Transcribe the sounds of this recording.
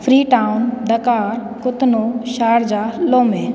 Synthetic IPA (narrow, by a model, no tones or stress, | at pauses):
fʰɾiːʈaːʊnɖ̪ɐkaːɾ | kʊt̪noʃaːɾd͡ʑaːloːmẽː